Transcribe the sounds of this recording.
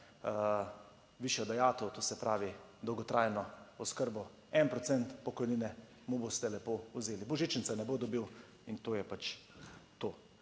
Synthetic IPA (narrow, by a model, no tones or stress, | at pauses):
ʋiːʃjɔd̪ɛjaːt̪ɛwt̪osɛpɾʔaːʋi | d̪ɔwɡɔt̪ɾaːjnɔɔskəɾbɔ | ɛnpɾɔt̪sɛnt̪pɔkɔjniːnɛ | mubost̪ɛlɛpouzeːlibɔʒit͡ʃəntsɛnɛboːd̪ɔbiw | int̪oːjɛpat͡ʃt̪oː